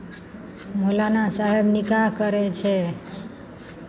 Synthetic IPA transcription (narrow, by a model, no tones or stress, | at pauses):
mulanasaɦebnikakəɾɛt͡ʃʰɛ